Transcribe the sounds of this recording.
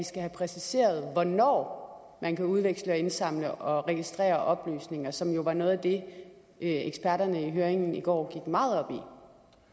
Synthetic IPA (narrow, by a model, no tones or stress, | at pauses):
isɡ̥æɦæpʰʁɛsise̝̰ːɐð̞̩ˠʋɒnɒ̰ː | mænkʰæuðˠʋeɡ̥sləɒ̽e̝nsɑ̈m̰ləʔɒ̽ʁɛɡ̥isd̥ʁɛ̰ːɐʔɒ̽b̥ly̰ːsne̝ŋɐsɒ̽mjo̝ʋɑ̈no̽ːð̩ˠæd̥e̝ | ʔeɡ̥sb̥æɐɾɐnəiɦøːɐeŋn̩iɡ̥ɒ̰ːɡ̥iɡ̥mɑ̈ːð̞̩ˠɒ̽b̥ḭ